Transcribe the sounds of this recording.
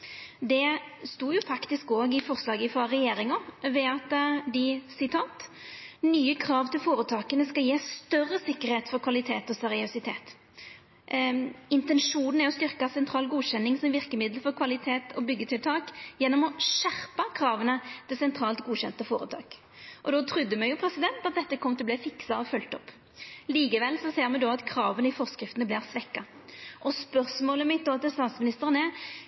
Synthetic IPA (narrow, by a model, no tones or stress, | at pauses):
d̪ɛst̪uːjʊfɑkt̪ɪskoːɡɪfɔʁslɑːɡɪfɑɾɛjeːɾɪŋɔʋɛɑt̪d̪ɪsɪt̪ʰɑːt̪nyːəkʰɾɑːʋt̪ʰɪlfoːɾət̪ʰɑːkənəskɑjeːst̪œrːəsɪkːəɾheːt̪fɔɾkʰʋɑlɪt̪ʰeːt̪ɔsɛɾɪœsɪt̪ʰeːt̪ | ɪnt̪ɛnʂuːnn̩ɛɾɔst̪ʏɾkɑsɛnt̪ʰɾɑːlɡuːɕɛnːɪŋsɔmʋɪʁkəmɪd̪lfɔʁkʰʋɑlɪt̪ʰeːt̪ɔbʏɡːət̪ʰɪlt̪ʰɑːkjɛnːɔmɔʃæʁpɑkʰɾɑːʋənət̪ʰɪsɛnt̪ʰɾɑːlt̪ɡuːɕɛnt̪əfoːɾət̪ʰɑ̰ːk | ʔɔd̪oːt̪ʰɾʉd̪ːəmɛjʊpʰɾɛsɪd̪ɛnt̪ɑt̪̚d̪ɛt̪ːəkʰɔmt̪ɪb̪ɛfɪksɑɔfœlt̪ɔpː | liːkəʋɛlːsɔseːʁmɛd̪oːɑt̪kʰɾɑːʋənəɪfɔʁskɾɪft̪nəblɪːʁsʋɛkːɑ | ʔɔspœʁsmoːləmɪt̪̚d̪ɔːɑt̪ɛst̪ɑːt̪smɪnɪst̪əʁənɛ